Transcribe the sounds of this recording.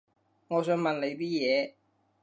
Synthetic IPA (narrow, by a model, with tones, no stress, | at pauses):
ŋɔː˨˧s̬œː˧ŋmɐ˨nle˨˧jpiː˥jɛː˨˧